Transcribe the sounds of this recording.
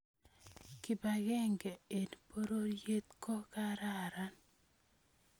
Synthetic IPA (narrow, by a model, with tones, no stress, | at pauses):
kɪ˨ba˨ɡɛ˦ŋɡe˨e˨npo˦ɾo˦je˦t̪kɔ˦ka˦ɾa˦˨ɾa˦n